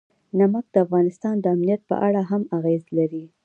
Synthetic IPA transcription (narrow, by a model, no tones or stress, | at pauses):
namak̚d̪̥əafɣɑnɪst̪ɑnd̪əamnijat̪̚pə̰ʔaɽaɦamaɣezlaɾi